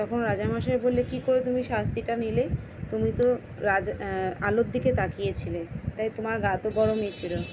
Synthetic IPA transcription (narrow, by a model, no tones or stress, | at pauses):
t̪ɔkʰonɾad͡ʑamaʃeɾbolːekikoɾet̪umiʃast̪ʰiʈanile | t̪umit̪o | ɾad͡ʑalot̪̚d̪iket̪akijet͡ɕʰilet̪ajt̪omaɾɡat̪obɔɾomit͡ɕʰilo